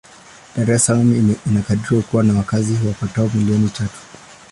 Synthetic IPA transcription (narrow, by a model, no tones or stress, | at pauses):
d̥aɾɛsalaminakaɗiɾiwakuwanawakazihwapataɔmiliɔnit͡ʃatu̥